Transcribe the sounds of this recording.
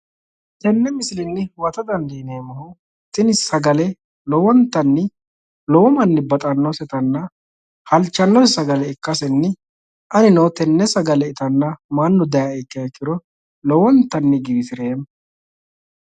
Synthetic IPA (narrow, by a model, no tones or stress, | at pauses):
t̪ɛnːɛmɪsɪlɪnːɪwɐt̪ɐd̪ɐnd̪ineːmɐhʊ | t̪ɪnɪsɐɡɐlɛ | lɔwɔnt̪ːɐnːɪ | lɔwɔmɐnːɪbɐt̪ʼɐnːɔsɛt̪ɐnːɐ | hɐlt͡ʃːɐnːɔssɐɡɐlɛɪkːɐsɛnːɪ | ʔɐnɪnɔwt̪ɛnːɛsɐɡɐlɛɪt̪ɐnːɐmɐnːɔd̪ɐjɐɛkːɐɛkːɪɾɔ | lɔwɔnt̪ːɐnːɪɡɪbɪsɪɾeːm